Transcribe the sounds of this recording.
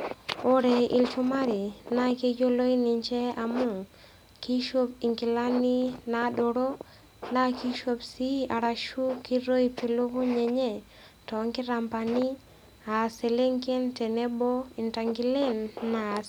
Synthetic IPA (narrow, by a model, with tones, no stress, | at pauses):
o˦ɾe˨i˨lt͡ʃu˦ma˦ɾi˨na˦ke˦d͡ʒo˦lo˦i˦ni˨ɲt͡ʃɛ˦a˨mu˦˨ | ki˦ʃo˦pi˨ŋki˨la˦ni˦na˨ɗo˨ɾo˦ | na˦ki˦ʃo˦psi˦a˨ɾa˨ʃu˦ki˦ɾo˦i˦pi˨lo˦βu˦ɲɛ˨ɲɛ˦˨ | tɔ˨˦ŋki˦ɾa˨mpa˨ni˦ | a˨se˨le˦ŋke˦ntɛ˨nɛ˦bɔ˦i˨nta˨ŋɡi˦le˦nːa˨s